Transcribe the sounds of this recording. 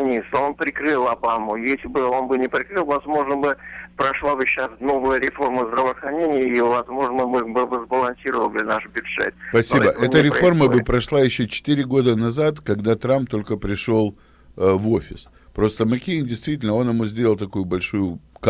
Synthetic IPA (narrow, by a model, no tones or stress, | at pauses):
nʲisəo̞npɾʲɪkrɨlˠɐbamʊjesʲlʲɪbɨo̞nbɨnʲɪpɾʲɪkɾɨlˠvɐzmo̞ʐnəbɨpɾɐʂlˠabɨɕasno̞vəjəɾʲɪfo̞rməzd̪ɾəvəːxɾɐnʲenʲɪjəivɐzmo̞ʐnəbɨbɨvəzbəlˠɐnʲsʲiɾəvəlˠbɨnaʂbʲʊdʐɛ̰t̪̚pɐsʲibəʔɛt̪əɾʲɪfo̞rməbɨpɾɐʂlˠajɪɕːot͡ɕɪ̥t̪iɾʲɪɡo̞d̪ənɐzat̪kɐɡd̪at̪ɾamp̚t̪ːo̞lʲkəpɾʲɪʂo̞lˠ | vo̞fʲɪs | pɾo̞st̪əmɐkʲejndʲɪjst̪vʲitʲɪlʲnəo̞njɪmuzʲdʲelˠəlˠt̪ɐkujʊbɐlʲʂujʊk